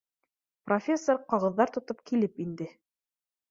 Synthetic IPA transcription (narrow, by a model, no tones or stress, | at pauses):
profʲesːoɾqɑʁɤ̆ðːɑɾt̪ŏt̪ɤp̚kilɘpind̪ɘ